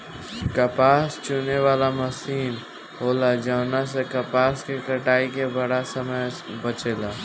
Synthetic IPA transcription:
kɐpaːst͡ʃuneʋaːlamɐsiːn | ɦoːlad͡ʒaːnas̬ekɐpaːskekɐʈaːikebɐɽasəməjbət͡ʃeːlaː

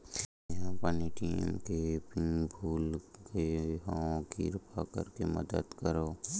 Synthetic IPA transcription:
ɦãpəniʈiːmkepɪŋɡbʱuːlɡeɦãõɡiɾpʰakə̰ɾkemə̰d̪əd̪kəɾoː

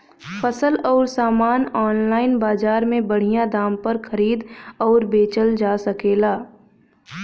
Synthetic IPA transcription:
fɐsəlɔːɾsaːmaːnɔːnlaːɪnbaːzaːɾmẽbɐɽ̤ijãd̪aːmpɐɾxɐɾiːd̪ɔːɾbeːt͡ʃəld͡ʒaːsɐkeːlaː

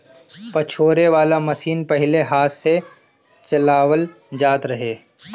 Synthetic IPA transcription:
pɐt͡ʃʰoːɾeʋaːlamɐsiːnpɐɦɪleɦaːt̪se | t͡ʃɐlaːwəl | d͡ʒaːt̪ɾɐɦeː

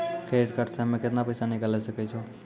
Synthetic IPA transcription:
kɾeeʈkəɾsemẽkɪt̪napəjsanɪkalesəkɛt͡ʃʰo

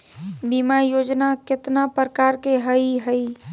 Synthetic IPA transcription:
bimajod͡ʒnaket̪napɾəkaɾkeɦəiɦəi

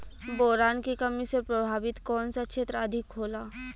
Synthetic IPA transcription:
bɔːɾaːnkikɐmisepɾɐbʱaːʋɪt̪kɔːnsakʃʰeːt̪ɾəɐd̪ʱɪkɦoːlaː

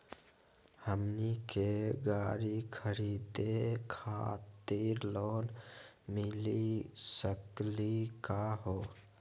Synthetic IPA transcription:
həmnikeɡaːɾikʰəɾiːd̪ekʰa̰t̪iɾloːnmɪlisəklikaɦoː

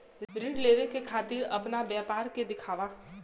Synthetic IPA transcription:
ɾɪɖleːʋekekʰaːt̪iːɾɐ̰pnabjaːpaːɾked̪ɪkʰaːʋa

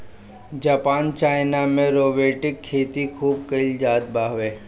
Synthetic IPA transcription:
d͡ʒaːpaːnt͡ʃaːɪnamẽɾoːbeːʈɪkʰːeːt̪ikʰuːb̚kəɪld͡ʒaːd̪̚baːɦʋeː

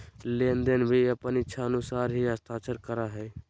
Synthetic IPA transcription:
lend̪enbʱiəpənɪtːʃʰaənusaːɾɦiəst̪ʰaːt͡ʃəɾkəɾaɦɛː

